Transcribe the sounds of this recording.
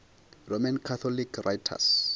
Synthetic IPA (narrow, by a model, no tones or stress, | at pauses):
romankʰat̪ʰɔlikʰrajtʰa̰s